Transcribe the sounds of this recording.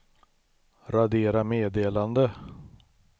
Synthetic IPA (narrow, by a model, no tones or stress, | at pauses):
ɾad̪eːɾameːd̪eːland̪ə